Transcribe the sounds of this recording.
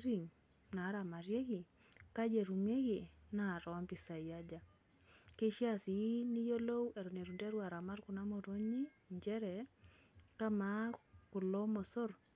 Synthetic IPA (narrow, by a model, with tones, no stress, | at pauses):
ɾi˨ŋ | na˨˦ɾa˨ma˨ɾje˦ɡɪ˨ | ka˦d͡ʒe˨ɾu˨me˦ɡi˨na˦˨ɾɔ˨wa˦mpɪ˨sa˨i˨ja˦d͡ʒa˨ | ke˦ʃja˦sɪ˨˦ni˦jo˦lo˦we˨ɾu˨ne˨ɾu˨nde˦ɾwa˨ɾa˨ma˦rkʊ˨na˦mo˨ɾo˦ɲi˦ | ɲd͡ʒɛ˦ɾɛ˨ | ka˦ma˦kʊ˨lo˦mɔ˨sɔ˦r